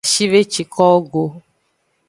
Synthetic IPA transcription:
ʃi˦ve˦t͡ʃi˨kʰɔ˦o˦ɡo˨

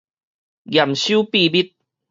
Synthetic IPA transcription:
ɡja˨˩mɕju˦pi˥˧bi˦˥t̪̚

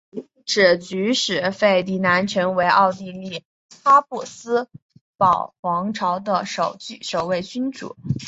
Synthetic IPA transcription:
ʈ͡ʂɻ̩˨˩t͡ɕy˧˥ʂɻ̩˨˩fe˥˩ɪt̪i˧˥na˧˥nt͡ɕʰɥɛ˧˥nwe˧˥ɪʔɑ˥˧ʊt̪i˥˧li˥˩ | xa˥pu˥˩sɹ̩˥pɑ˨˩ʊxwɑ˧˥ŋʈ͡ʂʰɑ˧˥ʊd̪ə˧ʂo˨˩ʊt͡ɕy˥˩ʂo˨˩ʊwe˥˩ɪt͡ɕy˥nʈ͡ʂṵ˨˩˦

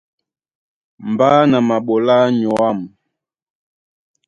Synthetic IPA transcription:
m˨baː˦na˨ma˨ɓɔ˨la˦ɲɔ˨a˦˨m

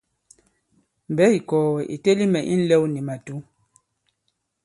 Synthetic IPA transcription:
m̩˨bɛ˦i˨kɔː˨wɛ˨ʔi˨te˦li˦mɛ˨ʔḭ˦n̩˦lɛ˦wni˨ma˨tu˦

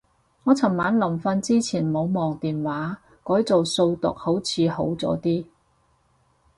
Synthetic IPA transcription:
ŋɔː˨˧t͡sʰɐ˨˩mmːaː˨˥nlɐ˨˩mfɐ˧nt͡siː˥t͡sʰiː˨˩nmo˨˧wmɔː˨˩ŋt̪iː˨nwaː˨˥ | kɔː˨˥jt͡so˨wso˧wt̪ʊ̰˨k̚ho˨˥wt͡sʰiː˨˧ho̰˨˥wt͡sɔ̰ː˨˥t̪iː˥

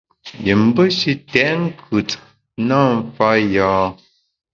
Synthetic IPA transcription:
jə˨m̩˦bə˦ʃi˦tɛ˨ʔŋ̩˦kʰʉ˨t | na˦˨m˦fa˦jɔː˦

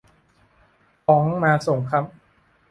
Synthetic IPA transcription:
fɔː˩˦ŋmaː˧so˨˩ŋkʰa˦˥p̚

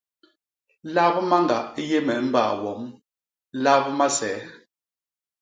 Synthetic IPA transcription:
la˦bə˦ma˦ŋ˨ɡa̰˨ʔje˦mɛ˨m̩˦baː˦˨wɔ˨˦m | la˦bma˦sɛː˨˦

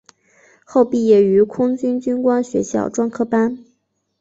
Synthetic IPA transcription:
xo˥˧ʊpi˥˩jɛ˨˩y˧˥kʰʊ˥ŋt͡ɕy˥nt͡ɕy˥nkwa˥nɕɥɛ˧˥ɕjɑ̰˥˩ʊʈ͡ʂwɑ˥ŋkʰɤ˥pa˥n

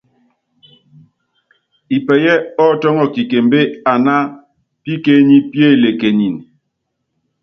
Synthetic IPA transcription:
i˨pɛ˨jɛ˦ɔ˦tɔ˦ŋɔ˦˨ki˨ke˨m˦be˦a˨na˦ | pi˦ke˦ɲi˦pje˦˨le˨ke˨ɲi˨n

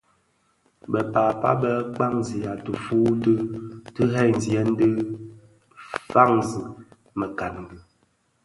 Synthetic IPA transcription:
bə˨paː˨pa̰˦bə˦k͡pa˦ŋ˨zi˨a˨tə˨fu˦tə˦tɨ˦ɦɛ˦˨n̩˨zjɛ˨˦n̩˦də˦ | fa˦ŋzi˨ | mə˨ka˨n˨ɡə˨

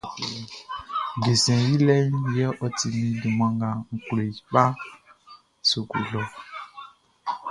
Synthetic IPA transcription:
ɡe˨sɛ̃˨ji˦lɛ˦ɲ˦jɛ˦ʔɔ˦ti˨mĩ˨du˨mã˨ŋɡa˨ŋ̩˨kle˨k͡pa˦ | so˨kṵ˨lɔ˦

